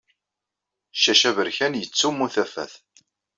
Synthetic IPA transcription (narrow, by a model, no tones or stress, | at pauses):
ʃæʃævəɾçænjət͡sːumːuθæfæ̰θ